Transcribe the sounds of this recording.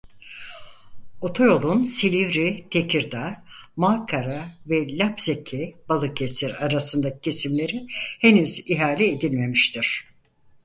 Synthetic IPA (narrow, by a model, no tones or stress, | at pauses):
o̞t̪ʰo̞jo̞lˠunsilʲivɾit̪ʰecʰiɾd̪amaːkʰaɾavɛlʲapzecʰib̥alˠɯkesiɾaɾasɯnd̪acʰɯ̥cʰe̞simlʲe̞ɾihenyziɦaːlʲɛed̪ilʲme̞miʃt̪ʰiɾ̥